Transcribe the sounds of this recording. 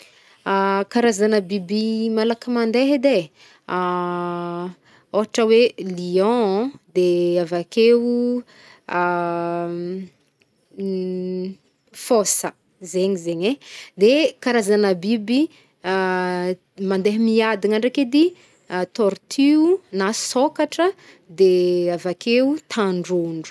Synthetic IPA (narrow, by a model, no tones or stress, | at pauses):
akaɾazanəbibimalakəmand̪eɦed̪e | oɦaʈ͡ʂəweliɔ̃d̪eavakeu | fosə | zeɲizeɲed̪ekaɾazanəbibi | mand̪eɦimiad̪iŋaɳɖ͡ʐaked̪i | t̪ɔɾt̪ʰyunasokaʈ͡ʂə | d̪eavakeut̪ʰaɳɖ͡ʐuɳɖ͡ʐu